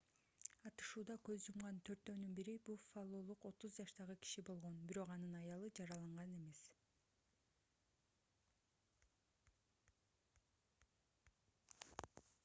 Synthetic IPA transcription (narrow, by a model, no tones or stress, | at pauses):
ɑt̪ɯ̥ʃuːd̪ɑkø̞zd͡ʒumʁɑnt̪ʰø̞ɾt̪ːøːnynbiɾibulˠfalˠo̞lˠuqo̞t̪uzd͡ʒɑʃt̪ɑʁɯki̥ʃibo̞lˠʁo̞nbiɾo̞qɑnɯnɑjɑlˠɯd͡ʒɑɾɑlˠɑɴʁɑne̞me̞s